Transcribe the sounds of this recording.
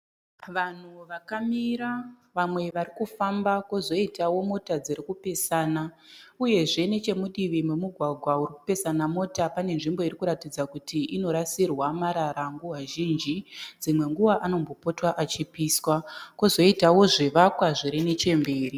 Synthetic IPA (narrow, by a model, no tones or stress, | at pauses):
ʋan̤uʋakamiɾa | ʋamwe̞ʋaɾikufambakozo̞itawo̞mo̞tad͡ziɾikupe̞saːna | uje̞ʐe̞ne̞t͡ʃe̞muɗiʋimwemuɡʱwaɡʱwauriku̥pe̞sanamo̞tapane̞nʐimbo̞irikuɾatid͡zakutʰiino̞ɾasirwamaɾaɾaŋɡuɦaʒind͡ʒid͡zimwe̞ŋɡuʋaʔano̞mbo̞po̞twaʔat͡ʃipiːswakozo̞itawo̞ʐeʋakwaʐiɾenet͡ʃe̞mbe̞ːri